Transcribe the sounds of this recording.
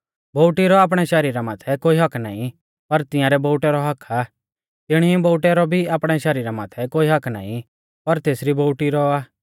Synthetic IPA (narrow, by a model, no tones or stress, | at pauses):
boːʊʈiɾɔaːp̬ɽ̃ɛʃɛɾiːɾamaːt̪ʰɛkoːiɦɐkʰna̰ːĩ | pɐɾt̪ɪ̃jãɾɛboːʈɛɾɔɦɐkʰa | t̪ɪɽ̃iboːʈɛɾɔbʱiaːpɽ̃ɛʃɛːɾiːɾama̰ːt̪ʰɛkoːiɦɐkʰna̰ːḭ̃ | pɐɾt̪eːsɾiboːʊʈiɾɔaː